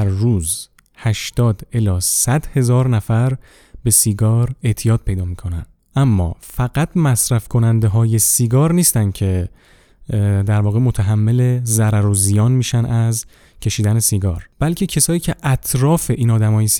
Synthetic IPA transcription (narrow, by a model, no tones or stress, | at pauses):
æɾːuːz | hæʃt̪ɒːd̪elɒːsæd̪he̞zɒːɾnæfæɾ | be̞siɡɒːɾe̞ʔt̪ʰijɒːt̪̚pʰe̞jd̪ɒːmiːkʰo̞næn | ʔæmːɒ̰ːfæɡæt̪ʰmæsɾæfkʰo̞nænd̪e̞ɦɒːje̞siɡɒːɾniːst̪ænd̪̥̚cʰe̞ | d̪æɾvɒːɣe̞mo̞t̪ʰæɦæmːe̞le̞zæɾæɾozijɒːnmiːʃænʔæz | cʰe̞ʃiːd̪æne̞siɡɒːɾb̥ælcʰe̞cʰe̞sɒːiːcʰe̞ʔæt̪ʰɾɒːfe̞ʔiːnɒːd̪æmɒːjes